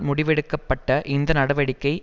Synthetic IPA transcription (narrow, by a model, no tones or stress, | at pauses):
mʊɽɪʋɛɽɯkːɐpːɐʈːɐʔɪnd̪ɐnɐɽɐʋɐɽɪkːɐɪ